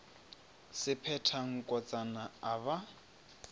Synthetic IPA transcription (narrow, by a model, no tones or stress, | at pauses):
sɪpʰɛtʰaŋ̩kʼɔt͡sʼanaːβa